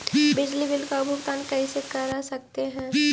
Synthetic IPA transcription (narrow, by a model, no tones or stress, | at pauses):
bɪd͡ʒlibɪlkaʊbʱʊpt̪aːnkɛːsekɐɾasɐk̚t̪eɦɛ̃ː